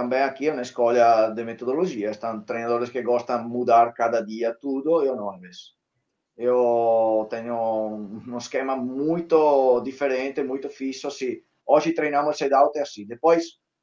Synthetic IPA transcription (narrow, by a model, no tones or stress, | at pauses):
t̪ambɛŋakiɛunaeskɔlad̪emet̪od̪oloʒiast̪ãŋt̪ɾejnad̪oɾeskeɡɔst̪aŋmud̪aɾkad̪ad̪iat̪ud̪oewnɔmes | ewt̪ɛɲoũeskɛmamujt̪od̪ifeɾɛnt̪emujt̪ofisosi | ɔʒit̪ɾejnamosed̪awt̪easid̪epɔjs